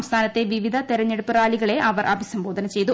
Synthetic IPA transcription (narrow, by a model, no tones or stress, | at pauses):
mst̪ʰaːnɐt̪ːe̞ʋiʋid̪ʱɐt̪eɾɐɲːeɽupːɨraːliɣɐɭe̞ʔɐʋɐrʔɐbʱisɐmbo̞ːd̪ʱɐnɐt͡ɕe̞jt̪u